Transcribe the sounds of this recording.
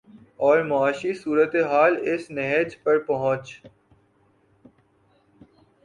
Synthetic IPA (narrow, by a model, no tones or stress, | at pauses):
ɔːɾmʊaːʃisuːɾət̪eɦaːlɪsnɛɦəd͡ʒpɐɾpɐɦʊ̃t͡ʃ